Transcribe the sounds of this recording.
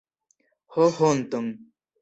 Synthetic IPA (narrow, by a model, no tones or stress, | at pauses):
hohon̩t̪ɔŋ